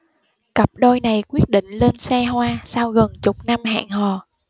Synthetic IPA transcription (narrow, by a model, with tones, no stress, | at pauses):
kə˨˩p̚ɗo˧jna˨˩jkwi˦˥ət̚ɗḭ̈˧˨ŋ̟le˧nsɛ˧ɦwaː˧saː˧wɣə˨˩nt͡ɕʊ˨˩k͡p̚na˧mɦa̰ː˧˨ŋɦɔ˨˩